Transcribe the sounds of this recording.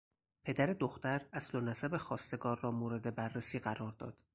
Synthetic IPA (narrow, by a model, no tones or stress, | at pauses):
pʰe̞d̪æɾe̞d̪oxt̪æɾæslonæsæbe̞xɒːst̪e̞ɡɒːɾːɒːmoːɾe̞d̪e̞bærːesiːɢæɾɒːɾd̪ɒ̰ːd̪̥